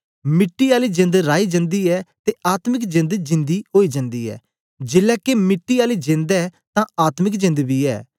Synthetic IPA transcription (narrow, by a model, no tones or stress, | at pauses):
mɪʈːiːaːliːd͡ʒɪ̃nd̪ɾaːiːd͡ʒə̃nd̪iːɛːt̪eːaːt̪mɪkd͡ʒɪ̃nd̪d͡ʒɪ̃nd̪iːɦoːiːd͡ʒə̃nd̪ḭːɛ̰ː | d͡ʒɪlɛːkemɪʈːiːaːliːd͡ʒɪ̃nd̪ɛːt̪ãːaːt̪mɪkd͡ʒɪ̃nd̪biːɛ̰ː